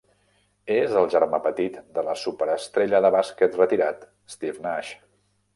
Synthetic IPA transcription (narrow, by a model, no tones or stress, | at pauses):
ezəlˠʒəɾmapət̪it̪d̪ələsupəɾəst̪ɾeʎəðəβaskət̪rət̪iɾat̪ | st̪ivnaʃ